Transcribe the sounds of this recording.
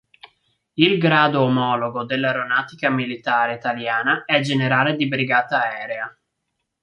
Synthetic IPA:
ilɡɾaːd̪oːmɔːloɡod̪elːaɾonaːt̪ikamilit̪aːɾeit̪aljaːnaɛd͡ʒeneɾaːled̪ibɾiɡaːt̪aɛːɾea

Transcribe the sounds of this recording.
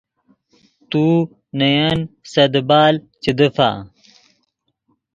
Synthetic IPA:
t̪u | nɐjansɐd̪baːl | t͡ɕid̪əfa̰

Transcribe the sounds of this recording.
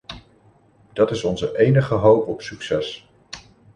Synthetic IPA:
d̥ɑtɪsɔnzəʔejnəχəɦowpɔpsyksɛs

